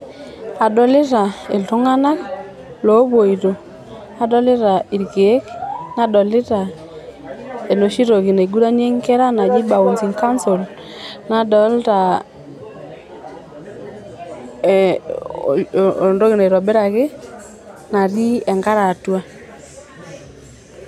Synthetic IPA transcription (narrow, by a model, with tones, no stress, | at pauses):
a˨dɔ˨lɪ˦ta˨e˨lto˦ŋa˦na˦k | lo˨˦βo˨i˨ɾo˨ | a˨dɔ˦lɪ˦ɾa˨i˨ɾɡe˨˦kna˦dɔ˨lɪ˦ta˨ | e˨no˨ʃi˦ɾo˨ki˨ne˨ɡu˦ɾa˦n˦e˦ŋkɛ˦ɾa˦na˨d͡ʒi˦ba˨u˨nsi˨ŋka˦nso˨l | na˨dɔ˨˦lta˨ | ndo˦ɣi˨na˨ɾɔ˨bɛ˦ɾa˨kɪ˦ | na˨ɾi˦ɛ˨ŋɡa˦ɾa˨twa˦